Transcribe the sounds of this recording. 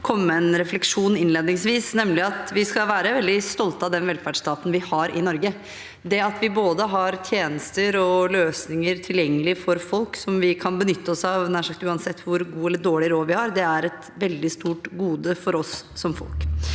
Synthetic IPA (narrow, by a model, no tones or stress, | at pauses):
kʰɔmːəɛnɾɛflɛkʂuːnɪnleːd̪nɪŋsʋiːsnɛmlɪɑt̪ʋɪskɑʋæːɾəʋɛld̪ɪst̪ɔlt̪ɑd̪ɛnʋɛlfæɖʂt̪ɑːt̪ən̩ʋɪhɑɾʔɪ̰nɔɾɡə | d̪ɛɑt̪ʋɪboːd̪əɦɑɾt̪ʰjeːnəst̪əɾɔløːsnɪŋəɾt̪ʰɪljɛŋːəlɪfɔɾfɔlksɔmʋɪkʰɑnbənʏt̪ːəɔsɑʋnæʂɑkt̪ʉːɑnsɛt̪ʰːʋʊɾɡuːɛlːəɖoːɭɪɾoːʋɪhɑɾd̪ɛæɾɛt̪ | ʋɛld̪ɪst̪uːʈɡuːd̪əfɔɾɔsːɔmfɔ̰lk